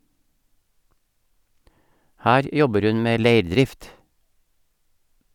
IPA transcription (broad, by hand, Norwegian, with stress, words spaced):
ˈhæːɾ ˈjɔbəɾ ˈʉn ˈmeː ˈleɪɾˌdɾɪft